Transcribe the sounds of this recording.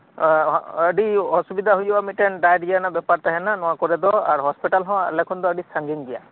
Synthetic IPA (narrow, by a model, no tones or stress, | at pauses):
əɖiɔsubid̪ʱaɦujbamiʈɛnɖajɖijanabɛpaɾt̪aɦɛnanɔwakɔɾɛd̪ɔa̰ɾɦɔspiʈalɦɔ̃a̰lɛkʰɔnd̪ɔəɖisaŋɡiŋɡija̰